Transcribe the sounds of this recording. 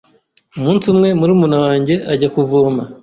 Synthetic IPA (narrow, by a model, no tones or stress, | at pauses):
umuːnsumŋe̞muɾimunawaːɲɟe̞ʔaɟakuvoːma